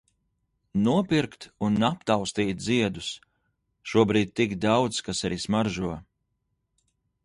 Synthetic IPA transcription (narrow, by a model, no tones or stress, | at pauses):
nuɔpʲiɾkt̪unːapt̪awst̪iːt̪̚d̪ziɛd̪us | ʃuɔbɾiːd̪̚ʲt̪ːikd̪awt̪skasaɾiːsmaɾʒuɔ